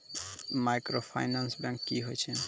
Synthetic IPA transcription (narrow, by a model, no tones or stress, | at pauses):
majkɾopʰa̰jnansbɛ̃ŋkːiɦojt͡ɕʰen